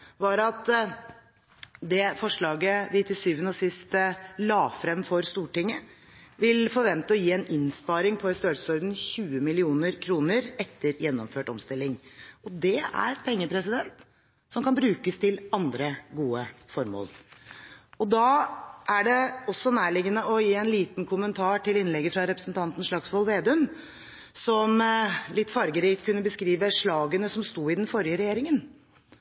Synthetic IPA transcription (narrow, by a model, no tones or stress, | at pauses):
ʋɑɾɑt̪ | d̪ɛfɔʂɭɑːɡəʋɪt̪ʰɪsyːʋənəɔsɪst̪lɑːfɾɛmfɔɾst̪uːʈɪŋːə | ʋɪlfɔɾʋɛnt̪əɔjiːɛnɪnspɑːɾɪŋpʰɔɛst̪øːlsə̥sɔɾd̪n̩çʉːəmɪlɪuːnəɾkʰɾuːnəɾɛt̪ʰːəɾjɛnːɔmføːʈɔ̰mst̪ɪlːɪŋɔd̪ɛæ̰ɾpʰɛŋːəpʰɾɛsɪd̪ɛnt̪ | sɔmkʰɑnbɾʉːkəst̪ʰɪlɑnd̪ɾəɡuːəfɔɾmo̰ːl | ɔd̪ɑːʔæɖɛɔsːɔnæːɭɪɡənəɔjiːɛnliːt̪nkʰʊmənt̪ʰɑːʈʰɪlɪnlɛɡəfɾɑɾɛpɾəsn̩t̪ʰɑnt̪n̩ʂɭɑɡsʋɔlʋeːd̪ʉn | sɔmlɪt̪ːfɑɾɡəɾɪkt̪kʰʉnːəbəskɾiːʋəʂɭɑːɡənəsɔmst̪uːɪd̪ɛnfɔɾjəɾɛjeːɾɪŋən